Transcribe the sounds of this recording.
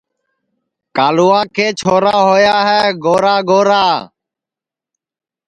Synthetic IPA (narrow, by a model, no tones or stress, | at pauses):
kaːluːãːkʰeːt͡ʃʰoːɾaːɦoːjaːɦɛːɡoːɾaːɡoːɾaː